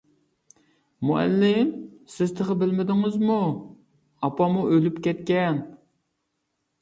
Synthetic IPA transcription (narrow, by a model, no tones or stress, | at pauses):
muɛ̰lːɪmsɪzt̪ʰəʁəbɪlmɪd̪ɪŋɪzmu | ɑpɑmuølypkʲɛt̪kʲɛn